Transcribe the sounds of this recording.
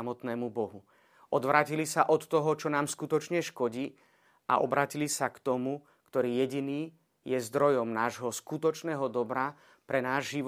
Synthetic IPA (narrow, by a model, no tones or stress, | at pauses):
amɔt̪nɛːmubɔɦu | ʔɔd̪ʋɾaːcilisaʔɔt̪ːɔɦɔt͡ʃɔnaːmskut̪ɔt͡ʃɲɛʃkɔɟiː | ʔa̰ʔɔ̰bɾaːcilisakt̪ɔmu | kt̪ɔɾiːjɛɟiniː | jɛzd̪ɾɔjɔmnaːʒɦɔskut̪ɔt͡ʃnɛːɦɔd̪ɔbɾa | pɾɛnaːʒʒiʋ